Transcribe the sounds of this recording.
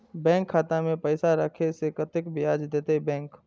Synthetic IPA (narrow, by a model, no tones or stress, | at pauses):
bɛ̃ːŋkʰːaːt̪amẽpəɪsaɾɐkʰesekɐt̪ɪkbɪjaːd͡ʒd̪eːt̪eɦɛbɛ̃ːŋk